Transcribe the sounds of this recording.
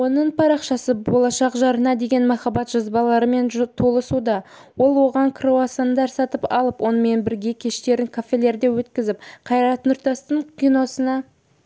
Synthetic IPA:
wo̞nəɴpʰɑɾɑqʃɑsəbo̞lˠɑʃɑqʒɑɾənɑd̪e̞ɡʲe̞nmɑχɑbɑt̪ʒ̥ɑzbɑlˠɑɾəme̞nt̪ʰo̞lˠəsud̪ɑ | wo̞lˠwo̞ʁɑŋkʰroasɑnd̪ɑɾsɑt̪əpɑ̰lˠəpwʔo̞nəme̞nbɪɾɡʲe̞kʲʰe̞ʃt̪e̞ɾɪŋkʰofʲe̞lʲe̞ɾd̪e̞wɵt̪kʲɪzɪp̚qʰɑjɾɑt̪ənʏɾt̪ɑst̪əɴkʲijno̞sənɑ

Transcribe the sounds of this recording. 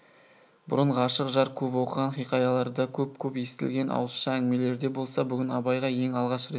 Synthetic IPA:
bʊ̰ɾəɴʁɑɑʃəqʒɑɾkʲʰɵpwo̞qəʁɑnχijqɑjɑlˠɑɾd̪əkʲʰɵp̚kʲʰɵpje̞st̪ɪ̰lɡʲe̞nʔɑ̰wəsʃɑæŋme̞le̞ɾd̪e̞bo̞lˠsɑbʏɡʲɪnɑbɑjʁɑje̞ŋɑlˠʁɑʃɾet̪

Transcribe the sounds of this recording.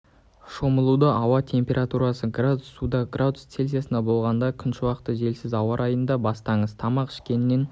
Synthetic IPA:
ʃo̞məlˠud̪əʔɑwɑt̪ʰe̞mpʲe̞ɾʔat̪uɾɑsəɡrad̪usːud̪ɑɡrʔad̪ʊst̪se̞lzijasənd̪ɑbo̞lˠʁɑnd̪ɑkʲʰʏnʃɪwɑqə̥t̪ːəʒe̞lsɪzɑwɑɾʔɑjənd̪ɑbɑst̪ɑɴəz̥t̪ʰɑmɑqʰɪ̥ʃkʲe̞nɪnːe̞n

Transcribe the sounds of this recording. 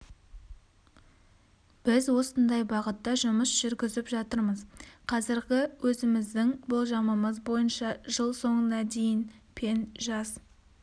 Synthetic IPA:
b̥ɪzwo̞sənd̪ɑjbɑʁət̪ːɑʒʊməsʒ̥ʏɾɡʲɪzɪpʒɑt̪əɾməzqʰɑzɪɾɡʲɪwɵzɪmɪzd̪ɪŋbolˠʒɑməməzbo̞jənʃɑʒəlˠso̞ɴənɑd̪e̞jɪnpʰe̞nʒɑz

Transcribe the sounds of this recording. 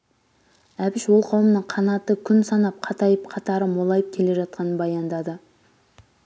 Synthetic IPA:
æbɪʃwo̞lˠqʰɑwəmnəɴqʰɑnɑt̪əkʲʰʏnsɑnɑp̚qʰɑt̪ɑjəpqʰɑt̪ɑɾəmolˠɑjəp̚kʲʰe̞le̞ʒɑt̪̚qɑnəbɑjɑnd̪ɑd̪ə

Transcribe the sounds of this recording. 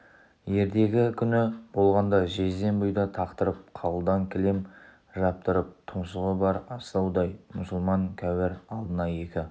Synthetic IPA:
je̞ɾd̪e̞ɡʲɪkʲʰʏnɪb̥o̞lˠʁɑnd̪ɑʒe̞ze̞nbʊjd̪ɑt̪ʰɑqt̪əɾəp̚qʰɑlˠd̪ɑŋkʲʰɪlem | ʒɑp̚t̪əɾəp̚t̪ʰʊmsəʁəbɑɾɑst̪ɑwd̪ɑjmʊsəlˠmɑŋkʲʰæwɪɾɑlˠd̪ənɑje̞kʲɪ

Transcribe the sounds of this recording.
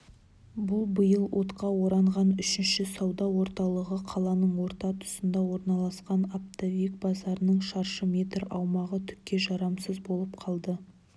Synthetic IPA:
bʊlˠbəjəlˠwʔo̞t̪qɑwo̞ɾɑɴʁɑnʏʃɪnʃɪsɑwd̪ɑwo̞ɾt̪ɑlˠəʁəqʰɑlˠɑnəɴwo̞ɾt̪ɑt̪ʰʊ̥sənd̪ɑwo̞ɾnɑlˠɑsqɑnap̚t̪ʰavʲik̚bɑzɑɾənəɴʃɑɾʃəmʲe̞t̪ɾɑwmɑʁət̪ʰʏ̥kʲːe̞ʒɑɾɑmsəzbo̞lˠəp̚qʰɑlˠd̪ə

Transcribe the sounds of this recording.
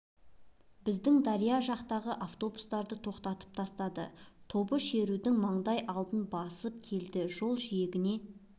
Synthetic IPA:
bɪzd̪ɪŋd̪ɑɾijaʒɑqt̪ɑʁəʔaft̪o̞bust̪ɑɾd̪ət̪ʰo̞qt̪ɑt̪ə̥p̚t̪ʰɑst̪ɑd̪ə̰t̪ʰo̞bəʃe̞ɾud̪ɪŋmɑɴd̪ɑjʔɑlˠd̪ənbɑsəp̚kʲʰe̞ld̪ɪʒo̞lˠʒije̞ɡʲɪne̞

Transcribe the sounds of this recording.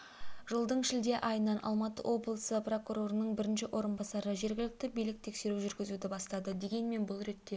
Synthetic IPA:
ʒ̥əlˠd̪əɴʃɪld̪e̞ʔɑjənːɑnʔɑ̰lˠmɑt̪ə̰wo̞blˠəsəpro̞kuɾo̞ɾənəɴbɪɾɪnʃɪwʔo̞ɾənbɑsɑɾəʒe̞ɾɡʲɪlɪk̚t̪ɪbijlɪk̚t̪ʰe̞kse̞ɾuʒʏɾɡʲɪzud̪ɪbɑst̪ɑd̪əd̪e̞ɡʲe̞nme̞nbʊlˠɾe̞t̪ːe̞

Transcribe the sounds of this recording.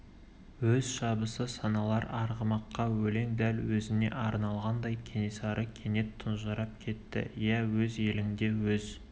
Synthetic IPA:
wɵzʃɑbəsəsɑnɑlˠɑɾɑɾʁəmɑqːɑwɵle̞ŋd̪ælwɵzɪne̞̰ʔɑɾnɑlˠʁɑnd̪ɑjkʲʰenisɑɾʔəkʲʰe̞ne̞t̪ʰːʊnʒɑɾɑp̚kʲʰe̞t̪ːɪ̰jæwɵze̞lɪŋd̪e̞wɵz

